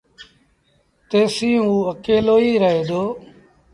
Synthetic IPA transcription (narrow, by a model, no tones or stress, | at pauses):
t̪eːsĩːɦũːəkeːloːiːɾəɦeːd̪oː